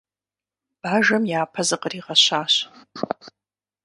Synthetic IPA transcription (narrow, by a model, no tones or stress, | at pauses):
b̥aʒɐmjaːpʰazɨqʼəriʁaɕaːɕ